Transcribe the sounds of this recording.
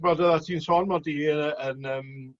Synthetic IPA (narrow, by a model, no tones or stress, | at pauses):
brɔdəðatʰiːnsɔːnmɔdiːənəːm